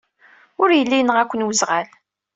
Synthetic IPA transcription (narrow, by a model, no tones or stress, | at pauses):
ʊɾjəlːijnəʁækʷːənwəzʁæl